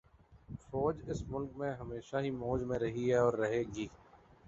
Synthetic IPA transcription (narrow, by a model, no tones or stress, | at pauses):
fɔːd͡ʒɪsmʊlkmẽɦɐmeːʃaɦimoːd͡ʒmẽɾɐɦiɦɛɔːɾːɐɦeːɡiː